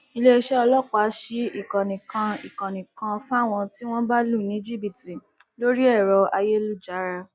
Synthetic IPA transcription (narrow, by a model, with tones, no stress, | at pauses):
i˧le˦e˧ʃɛ˦ɔ˧lɔ˦˨k͡pa˨˦ʃi˧i˦˨kɔ̃˨nĩ˨kã˧ḭ˨kã˨nĩ˨kã˧fũ˦a˦˨w̃ɔ̃˧ti˦w̃ɔ̃˦ba˦lu˦˨nĩ˨˦d͡ʒi˦bi˦˨ti˨ | lo˦ɾi˦ɛ˦˨ɾɔ˧a˧je˦lu˦˨d͡ʒa˨˦ɾa˧